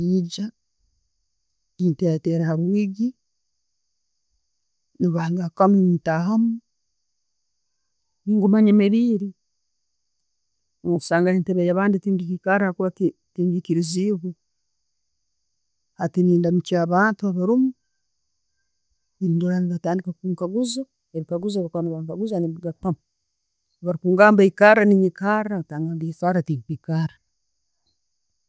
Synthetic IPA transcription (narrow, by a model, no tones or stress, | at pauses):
iɟa | niːnteɾateːɾahaɾwiːɡi | niβaːŋɡakamintaɦamu | niŋɡumaɲemeβiːɾi | u̥saːŋɡahiːnteβejaβaːnditiːŋɡikikaɾahakuβati | tiːɲɡikiɾiziβu | hatiniːndamit͡ʃaːβaːntuaβaɾumu | indoɾaniβataːndikakuːŋkaɡuzo | eβikaɡuzoβakwanaβaŋkaɡuzaniβiɡapam | βaɾikuːŋɡaːmbaikaɾaniɲikaɾataːŋɡandisaːɾatiŋkikaɾa